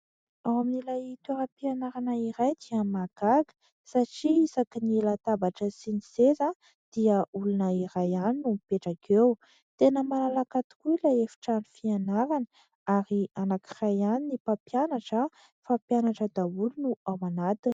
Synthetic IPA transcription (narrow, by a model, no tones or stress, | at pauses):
awaminilajit̪ueɾəpianaɾanəiɾajd̪iəmaɡ̥aɡə̥ | saʈ͡ʂiisakinilat̪abaʈ͡ʂəsiniseza | d̪̥iəulunəiɾajaninumipeʈ͡ʂakʰew | t̪enəmalalakat̪i̥kuilajefi̥ʈ͡ʂanifianaɾanə̥ | aɾianakirajaninipapjanaʈ͡ʂə | fapjanaʈ͡ʂəd̪aulunuawanat̪i